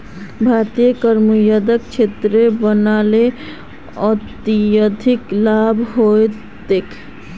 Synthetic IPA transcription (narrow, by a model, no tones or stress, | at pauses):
bʱaɾt̪ijəkəɾmujəd̪ək̚t͡ʃʰet̪ɾebənale | ət̪ijəd̪ʱiklabʱɦojt̪ekʰ